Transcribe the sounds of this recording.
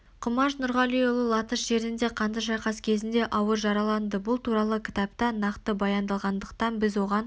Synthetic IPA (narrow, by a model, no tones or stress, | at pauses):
qʰʊmɑʃnʊɾʁɑlˠijolˠəlˠɑt̪əʃʒe̞ɾɪnd̪e̞qʰɑnd̪əʒɑjqɑskʲʰe̞zɪnd̪e̞ʔɑwəɾʒɑɾɑlˠɑnd̪əbʊlˠt̪ʰuɾɑlˠəkʲʰɪ̥t̪ɑpt̪ɑnɑqt̪əbɑjɑnd̪ɑlˠʁɑnd̪əq̚t̪ɑnbɪzwo̞ʁɑn